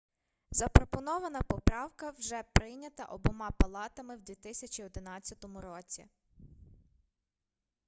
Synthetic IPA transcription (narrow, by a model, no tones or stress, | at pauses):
zɐpɾɔpɔnɔʋɐnɐpɔpɾɑwkɐwʒɛpɾɪjnʲɐt̪ɐ̰ʔɔbɔmɑpɐlˠɑt̪ɐmɪwd̪ʲʋʲit̪ɪsʲɐt͡ʃʲiɔd̪ɪnɑt͡sʲːɐt̪ɔmʊɾɔt͡sʲḭ